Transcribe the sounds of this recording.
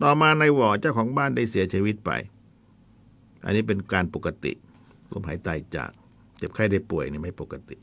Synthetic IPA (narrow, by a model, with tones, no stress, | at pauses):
t̪ɔː˨˩maː˧na˧jwɔː˨˩t͡ɕaː˥˩wkʰɔː˩˦ŋbaː˥˨nda˥˩jsi˨˩˦ɐt͡ɕʰiː˧wi˦˥t̪̚pa̰˧j | ʔa̰˧nːiː˦˥p̬e˧nkaː˧npo˨˩kːa˧t̪ḭ˨˩ʔ | lo̰˧˥mɦaː˩˦jt̪a˨˩jt͡ɕa̰ː˨˩k̚ | t͡ɕe˨˩p̚kʰa˥˩jda˥˩jpu˨˩əjniː˧˩ma˥˩jpo˨˩kːa˧t̪ḭ˨˩ʔ